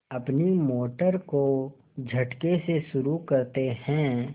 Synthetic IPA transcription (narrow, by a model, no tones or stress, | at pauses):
ɐpnimoːʈəɾko | d͡ʒʱɐʈkeseʃʊɾukɐɾt̪ehɛ̃ː